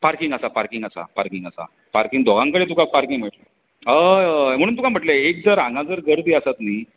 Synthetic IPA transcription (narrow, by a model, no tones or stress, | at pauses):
paɾkiŋɡasapaɾkiŋɡasa̰paɾkiŋɡasa̰ | paɾkiŋɡd̪ʱoɡãŋkəɽet̪̬ukapaɾkiŋm̤əʈlə | əm̤əɽ̃uːnt̪ukam̤əʈleek̚d͡zəɾãŋɡad͡zəɾɡəɾd̪iːəsat̪niː